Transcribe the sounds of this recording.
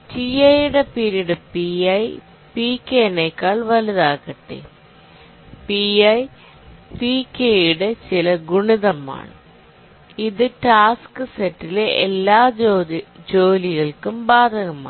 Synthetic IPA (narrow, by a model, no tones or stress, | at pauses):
t͡ɕiɐjuɽe̞piɾjiɽɨpiɐj | piːkːeneːkːaːɭʋɐlɐðaːkːɐʈːḛ | piɐj | pikːejuɽe̞t͡ɕilɐɡuɳiðɐma̰ːɳɨ | iðɨʈaːskɨsetːileelːaː | d͡ʑoːliɣɐɭkumbaːd̪ʱɐɣɐma̰ː